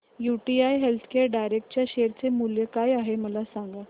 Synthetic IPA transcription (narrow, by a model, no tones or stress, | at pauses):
juʈiajɦelt̪ʰkeɾɖajɾek̚ʈ̚t͡ɕjaɕeɾt͡semuljəkajaɦeməlasãŋɡa